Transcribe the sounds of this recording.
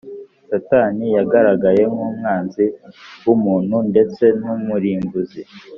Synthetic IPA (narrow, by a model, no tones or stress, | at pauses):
sataːnijaɡaɾaɡaje̞mumŋaːnziwumuːnhunde̞t͡se̞numuɾiːmbuzi